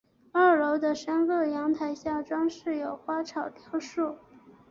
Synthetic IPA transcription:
a˥˩lo˧˥ʊd̪ə˧ʂə˥nkɤ˥˩jɑ˧˥ŋt̪ʰa˨˧˩ɪɕja˥˩ʈ͡ʂwɑ˥ŋʂɻ̩˥˩jo˨˩ʊxwa˥ʈ͡ʂʰɑ˨˩ʊt̪jɑ˧˥ʊʂu˥˩

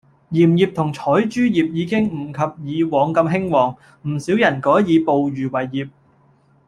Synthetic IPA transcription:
jiː˨˩mjiː˨p̚t̪ʰʊ˨˩ŋt͡ʃʰɔː˨˥jt͡ʃyː˥jiː˨p̚jiː˨˧kɪ˥ŋm̩˨˩kʰɐ˨p̚jiː˨˧wɔː˨˧ŋkɐ˧mɦɪ˥ŋwɔː˨˩ŋ | m̩˨˩siː˨˥wjɐ˨˩nkɔː˨˥jiː˨˧po˨wɥyː˨˩wɐ˨˩jjiː˨˩p̚

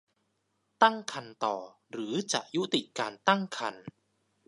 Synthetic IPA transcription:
t̪a˥˩ŋkʰa˧nt̪ɔː˨˩ | ɾɯː˩˦t͡ɕa̰˨˩ʔju˦˥t̪i˨˩ʔkaː˧nt̪a˥˩ŋkʰa˧n

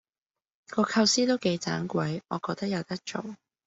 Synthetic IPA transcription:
kɔː˧kʰɐ˧wsiː˥t̪o˥wke˨˧jt͡sa̰ː˨˥ŋkʷwɐ˨˥jɔ̰ː˨˧kɔː˧t̪ɐ˥k̚jɐ˨˧wt̪ɐ˥k̚t͡ʃo̰˨w

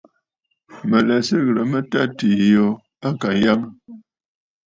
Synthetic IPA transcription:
mə˨lə˨sə˦ɣɾə˨mə˦ta˦ti˨jo˨ | a˦ka˨˦ja˦ŋ˦

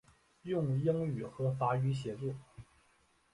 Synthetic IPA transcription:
jʊ˥˧ŋji˥ŋy˨˩xɤ˧˥fa˧˥y˧˥ɕ̬jɛ˧˥t͡su˥˩

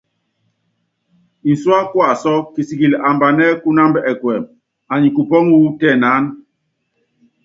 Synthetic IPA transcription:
i˨swa˦kwa˦˨sɔ˦ki˨si˨ki˨la˨mba˨nɛ˦ku˦na˦mbɛ˦ɛ˨kwɛ˨m | a˨ɲi˨ku˨pɔ˦ŋwu˦tɛ˦˨na˦n

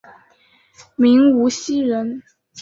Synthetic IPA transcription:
mi˧˥ŋu˧˥ɕi˥ɻə˧˥n

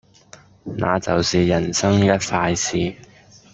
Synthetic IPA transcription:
nʔa̰ː˨˧t͡sɐ˨˩wsiː˨jɐ˨˩nsɐ˥ŋjɐ˥t̚faː˧jsiː˨˩

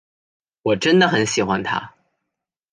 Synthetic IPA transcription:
wɔ˨˩ʈ͡ʂə˥nd̪ə˨xə˧˥nɕi˨˩xwa˥nt̪ʰa̰˥

